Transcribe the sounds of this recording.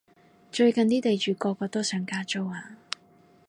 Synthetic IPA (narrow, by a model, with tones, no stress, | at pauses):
t͡ʃɵ˧ɥkɐ˨nt̪iː˥t̪e˨jt͡ʃyː˨˩kɔː˧kːɔː˧t̪ɔː˥sœː˨˥ŋkaː˥t͡so˥waː˨˧